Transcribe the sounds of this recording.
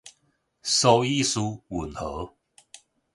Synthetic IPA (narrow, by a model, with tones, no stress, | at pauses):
so˧i˥˧˨su˦wu˨˩nhɤ˨˦